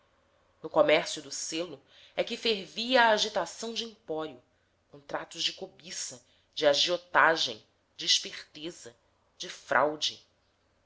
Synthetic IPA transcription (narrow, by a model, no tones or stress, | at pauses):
nʊkomɛχsjʊd̪ʊselʊ | ɛkɪfeɾviɐːʒit̪asɐ̃w̃d͡ʒɪĩpɔɾiʊ | kõt̪ɾat̪ʊzd͡ʒɪkobisɐ | d͡ʒɪaʒiot̪aʒḛ̃j̃ | d͡ʒɪːʃpeχt̪ezɐ | d͡ʒɪfɾʔa̰wd͡ʒɪ